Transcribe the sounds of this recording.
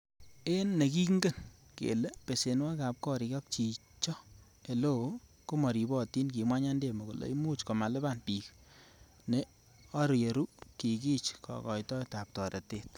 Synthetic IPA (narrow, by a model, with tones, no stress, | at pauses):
e˦nːe˨ki˦kŋɡe˦˨n | kḛ˨le˦pe˨se˨nwa˦ka˨p̚kɔ˦ɾi˨kɔ˦k̚t͡ʃi˨ | t͡ʃɔ˦ | e˨lo˦˨˦ | ko˦mɔ˨ɾi˨bɔ˦ti˦nk̬i˨mwa˦ɲa˦nde˦˨mo˨ko˨lo̰˨i˦mu˦t͡ʃkɔ˨ma˨le˦ba˦˨npi˨k | ne˨ | ɔ˦ɾje˨ɾu˦ki˨ki˦t͡ʃkʰɔ̰˨kɔ˨jtɔ˦ta˨p̚tɔ˨ɾe˨te˦t